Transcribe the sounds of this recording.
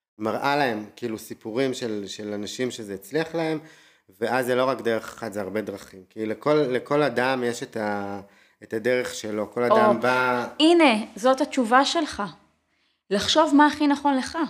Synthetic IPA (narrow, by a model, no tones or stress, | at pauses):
maʁʔalae̞mkiilusipuʁimʃelʃelanaʃimʃezeet͡sliaχlae̞m | veʔazelo̞ʁakd̪eʁeχḁχad̪zeaʁbe̞d̪ʁaχimkilekolːeko̞ladamjeʃet̪a | et̪ad̪eʁe̞χʃelo̞ko̞ladambaine̞zo̞that͡ʃuvaʃe̞lχa | laχʃo̞vmaːχinaχo̞nle̞χa